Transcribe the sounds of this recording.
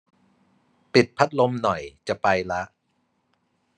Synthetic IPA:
pi˨˩t̪̚pʰa˦˥t̪̚lo˧mnɔ˨˩jt͡ɕa˨˩ʔpa˧jla˦˥ʔ

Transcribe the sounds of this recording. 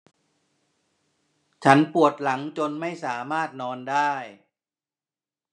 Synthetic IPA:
t͡ɕʰa˦˥npu˨˩ət̪̚la˩˦ŋt͡ɕo˧nma˥˩jsaː˩˦maː˥˩t̪̚nɔː˧ndaː˥˩j

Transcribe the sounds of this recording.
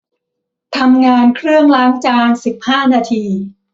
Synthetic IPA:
t̪ʰa˧mŋaː˧nkʰɾɯ˥˩əŋlaː˦˥ŋt͡ɕaː˧nsi˨˩p̚haː˥˩naː˧t̪ʰiː˧

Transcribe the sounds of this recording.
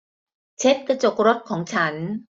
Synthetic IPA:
t͡ɕʰe˦˥t̚kɯ˧˩t͡ɕo˨˩k̚ɾo˦˥t̚kʰɔː˩˦ŋt͡ɕʰa˦˥n

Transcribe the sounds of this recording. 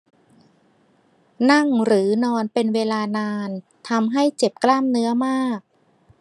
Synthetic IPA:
na˥˩ŋɾɯː˩˦nɔː˧npe˧nweː˧laː˧naː˧n | t̪ʰa˧mɦa˥˩jt͡ɕe˨˩p̚klaː˥˩mnɯ˦˥ɐmaː˥˩k̚

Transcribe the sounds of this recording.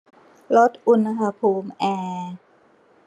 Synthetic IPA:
lo˦˥t̪̚ʔu˧nɦaː˧pʰuː˧mʔɛː˧

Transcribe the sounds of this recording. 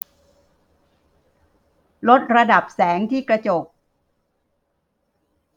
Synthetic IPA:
lo˦˥t̪̚ɾa˧da˨˩p̚sɛː˩˦ŋt̪ʰiː˥˩kɾa˧t͡ɕo˨˩k̚

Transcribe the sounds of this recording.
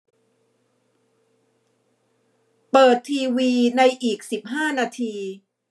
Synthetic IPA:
pɤː˨˩t̪ʰːiː˧wiː˧na˧jʔiː˨˩k̚si˨˩p̚ɦaː˥˩naː˧t̪ʰiː˧

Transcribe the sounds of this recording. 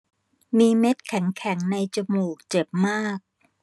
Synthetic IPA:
miː˧me˦˥t̪̚kʰɛ˩˦ŋkʰɛ˩˦ŋna˧jt͡ɕa˧muː˨˩k̚t͡ɕe˨˩p̚maː˥˩k̚

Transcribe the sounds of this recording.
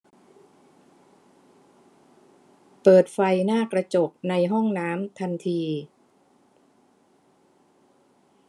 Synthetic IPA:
pɤː˨˩t̪̚fa˧jnaː˥˩kɾa˧t͡ɕo˨˩p̚na˧jɦɔ˥˩ŋnaː˦˥mt̪ʰa˧nt̪ʰiː˧

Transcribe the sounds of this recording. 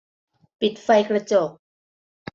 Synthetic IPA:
pi˨˩t̪̚fa˧jkɾa˧t͡ɕo˨˩k̚

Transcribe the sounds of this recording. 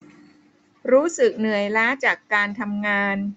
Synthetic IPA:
ɾuː˦˥sɯ˨˩k̚nɯ˨˩əjlaː˦˥t͡ɕaː˨˩kːaː˧nt̪ʰa˧mŋaː˧n

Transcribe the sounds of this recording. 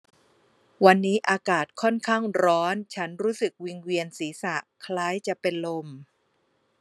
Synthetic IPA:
wa˧nːiː˦˥ʔaː˧kaː˨˩t̪̚kʰɔ˥˩nkʰaː˥˩ŋɾɔː˦˥nt͡ɕʰa˦˥nɾuː˦˥sɯ˨˩k̚wi˧ŋwi˧ənsiː˩˦sa˨˩ʔkʰlaː˦˥jt͡ɕa˨˩ʔpe˧nlo˧m

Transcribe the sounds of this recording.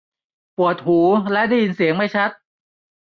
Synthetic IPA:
pu˨˩ət̪̚huː˩˦lɛ˦˥ʔda˥˩ji˧nsi˨˩˦əŋma˥˩jt͡ɕʰa˦˥t̪̚

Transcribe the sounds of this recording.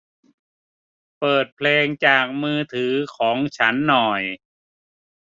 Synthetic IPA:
pɤː˨˩t̪̚pʰleː˧ŋt͡ɕaː˨˩k̚mɯː˧t̪ʰɯː˩˦kʰɔː˩˦ŋt͡ɕʰa˦˥nːɔ˨˩j

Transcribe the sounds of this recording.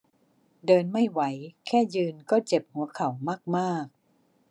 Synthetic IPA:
dɤː˧nma˥˩jwa˩˦jkʰɛː˥˩jɯː˧nkɔː˥˩t͡ɕe˨˩p̚hu˩˦ɐkʰa˨˩wmaː˥˩k̚maː˥˩k̚

